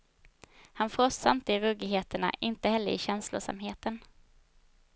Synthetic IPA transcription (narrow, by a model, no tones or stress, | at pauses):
hanfɾɔsːa̰nt̪ɪɾɵɡɪɦeːt̪əɳa̰ʔɪnt̪əhɛlːəɾɪɕɛnslʊ̰ʂa̰mɦeːt̪ən